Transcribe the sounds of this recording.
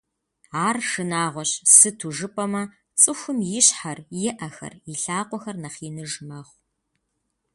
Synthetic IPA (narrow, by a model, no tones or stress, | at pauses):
aːrʂɨnaːʁʷɔɕsɨtʰuʒɨpʼɐmɐ | t͡sʼɨxʷʊmjɪɕħarjɪʔɐxɐ̰rɪɬaːqʷʼɔxɐrnɐχiːnɨʒmɐχʷ